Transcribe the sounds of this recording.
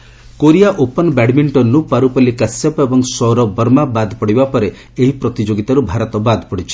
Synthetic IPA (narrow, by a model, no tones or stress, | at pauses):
koɾijaʔopɔnɔbɛɽmiɳʈɔnːupaɾupɔlikasjapebɔŋsɔɾɔbɔɾmabad̪ʱpɔɽibapɔɾe | eɦipɾɔt̪id͡ʒoɡit̪aɾubʱaɾɔt̪ɔbad̪ʱpɔɽit͡ʃʰi̥